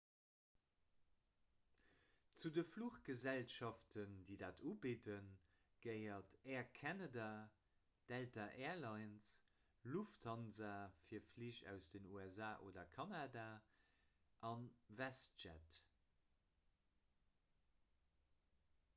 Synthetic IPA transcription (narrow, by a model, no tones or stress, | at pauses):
t͡sudəfluχɡ̥əzælʃɑftʰəndiːdaːtʰubidən | ɡ̥əɪɐtɛːɐkʰɛnada | d̥ɛltaʔɛːɐlɑɪns | lufthɑnzɐfiːɐfliʃæ̰ʊsd̥ənuːɛzaːʔoːdɐkʰɑnadaː | ʔɑnvæst̚d͡ʒæ̰t